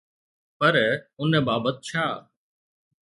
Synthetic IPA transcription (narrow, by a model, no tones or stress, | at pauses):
pəɾʊnəbaːbət̪̚t͡ʃʰaː